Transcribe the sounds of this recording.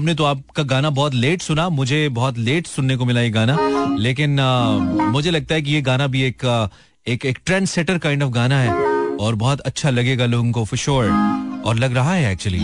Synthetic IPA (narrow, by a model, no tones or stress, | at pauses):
ɦɐmnet̪̬oaːp̚kaɡaːnabɔɦɔt̪̬leːʈsʊnamʊd͡ʒʱebɔɦɔt̪̬leːʈsʊnːek̬omɪlajeɡaːnaleːk̬ɪn | mʊd͡ʒʱelɐɡ̚t̪aɦɛk̬ijeɡaːnabʱieːk | eːkeːkʈɾɛ̃ːnsɛːʈəɾkãɪ̃ɳɖɔːfɡaːnaɦɛːɔːɾbɔɦɔt̪ɐtːʃʰalɐɡeːɡaloːɡõkofɪʃoːɾɔ̰ːɾlɐɡɾɐɦaɦɛɛːk̚t͡ʃuwəlḭ